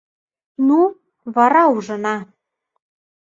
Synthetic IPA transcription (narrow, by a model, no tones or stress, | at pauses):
nu | βɑɾɑuʒɤ̆nɑ